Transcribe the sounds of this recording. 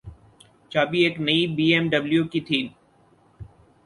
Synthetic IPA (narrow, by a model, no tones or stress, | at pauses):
t͡ʃaːbieːknəibiːeːmɖəbljuːkit̪ʰiːn